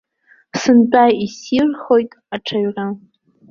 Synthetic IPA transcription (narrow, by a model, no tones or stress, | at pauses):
sɨnt͡pʼajisirχo̞jtʼ | aʈ͡ʂʰaɥra